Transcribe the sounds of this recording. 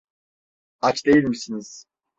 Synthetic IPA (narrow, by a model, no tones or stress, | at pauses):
at͡ʃd̪e̞jilʲmisiniz̥